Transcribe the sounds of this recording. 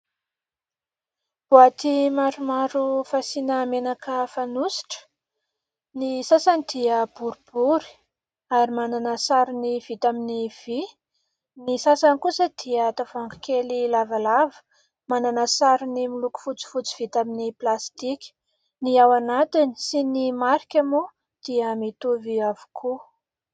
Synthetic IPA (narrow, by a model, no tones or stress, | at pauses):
b̥uat̪imaɾumaɾufasinəmenakʰəfanusi̥ʈ͡ʂə̥ | nisasanid̪iəb̥uɾub̥uɾi̥ | aɾimananəsaɾuniv̥it̪aminiv̥i | nisasanikusəd̪̥iət̪avaŋɡakelilavalavə̥ | mananəsaɾunimiluku̥fut͡si̥fut͡si̥v̥it̪aminiplast̪ikʲi̥ | niawanat̪inisinimaɾikʲamo | d̪̥iəmit̪uviavu̥kʰu